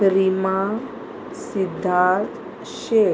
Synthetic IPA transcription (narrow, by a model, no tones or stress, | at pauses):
ɾima | sid̪ʱːat̪ | ɕe